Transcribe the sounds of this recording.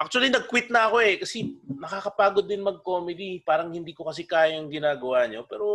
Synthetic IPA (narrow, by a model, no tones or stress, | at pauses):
ʔak̚t͡ʃʊɐlinɐɡ̚kwɪt̪̚nɐʔɐko̞ʔɛkɐsɛnɐkaːkɐpaːɡod̪ːɪnmɐɡ̚koːmɛd̪ipaːɾɐŋhɪnd̪iːkokɐs̬ɛkaːjoŋɡɪnaːɡɐwaːɲo̞pɛːɾo̞